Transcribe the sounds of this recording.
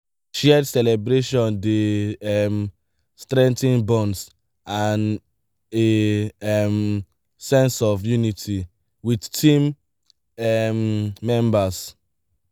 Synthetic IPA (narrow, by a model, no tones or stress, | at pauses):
ʃɛdsɛlɛbɹeʃɔ̃ndeɛm | stɹɛ̃ntĩnbɔ̃ns | an | eɛm | sɛ̃nsɔfjunitʰi | widtʰĩm | ɛmːɛ̃mbas